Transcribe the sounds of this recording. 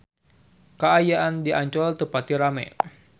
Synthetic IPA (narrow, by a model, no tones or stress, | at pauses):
kəajaʔandiʔaɲt͡ʃɔlt̪əpat̪iɾamɛ̰